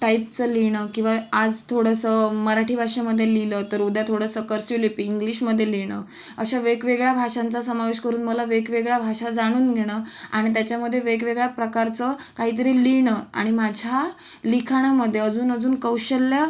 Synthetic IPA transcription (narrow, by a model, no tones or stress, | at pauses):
ʈaip̚t͡səliɽ̃əkĩw̃ʋaad͡zt̪ʰoɽəsəməɾaʈʰiːbʱaʂaməd̪ʱːjelilət̪əɾud̪jat̪ʰoɽəsəkəɾsulepiːiŋɡliɕməd̪ʱːjeliɽ̃ə̰ː | əɕaʋekʋeɡɭjabʱaʂãnt͡sasəmaʋeɕkəɾuːnməlaʋekʋeɡɭjabʱaʂad͡zaɽ̃uːnɡʱeɽ̃əa̰ɽ̃it̪̬jat͡ɕjaməd̪ʱːjeʋekʋeɡɭjapɾəkaɾt͡səkaɦiːt̪̬əɾiliɳ̃əa̰ɽ̃imad͡ʑʱa | likʰaɽ̃aməd̪ʱːjeəd͡zuːnəd͡zuːnkəwɕəlːja